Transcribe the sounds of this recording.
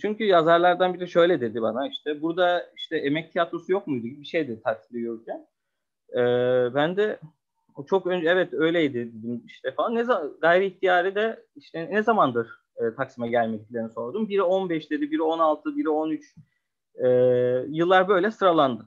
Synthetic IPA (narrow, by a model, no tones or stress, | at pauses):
t͡ʃʰyɲcʰyjazaɾlˠaɾd̪anbiɾɛʃø̞jlʲɛd̪e̞d̪ibanaiʃt̪ʰɛbuɾd̪aiʃt̪ʰɛemɛc̚t̪ʰijat̪ʰɾosujo̞k̚mujd̪uɟʲiibiʃejd̪ɛt̪ʰak̚silijoɾcʲʰæn | ɛːbænd̪ɛ | t͡ʃʰo̞kønd͡ʒɛvɛt̪ø̞jlʲejd̪ɪd̪e̞d̪imiʃt̪ʰɛfaanːɛzaɡajɾɯiçt̪ʰijaːɾid̪ɛiʃt̪ʰɛnɛzamand̪ɯɾ̥ | ɯːt̪ʰaksimɛɟælʲmɛclʲeniso̞ɾd̪umbiɾo̞nbɛʃd̪ed̪ibiɾo̞nalˠt̪ʰɯbiɾo̞nyt͡ʃ | ɛːjɯlˠːaɾbø̞jlʲɛsɾalˠand̪ɯ